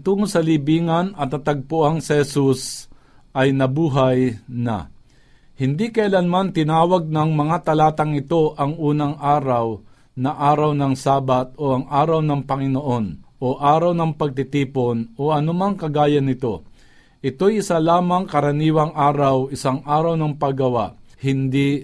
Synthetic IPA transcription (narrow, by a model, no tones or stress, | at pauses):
t̪uːŋosɐlibiːŋɐnɐt̪ːɐt̪ɐɡ̚pʊʔaŋsɛhɛsus | ʔɐjnɐbuːɦajnɐ̰ | hɪnd̪ikɐɪlanmant̪ɪnaːwaɡ̚nɐŋmɐŋat̪ɐlaːt̪ɐŋɪt̪o̞ʔɐŋʔuːnɐŋʔaːɾaw | nɐʔaːɾawnɐŋsaːbat̪̚oʔɐŋʔaːɾawnɐŋpɐŋɪnoʔo̞nʔoʔaːɾawnɐŋpɐɡ̚t̪ɪt̪iːpo̞noʔɐnʊmaŋkɐɡaːjɐnɪt̪o̞ | ʔɪt̪o̞jɪsalaːmɐŋkɐɾɐniːwɐŋʔaːɾawɪsaŋʔaːɾawnɐŋpɐɡɐwaʔhɪnd̪i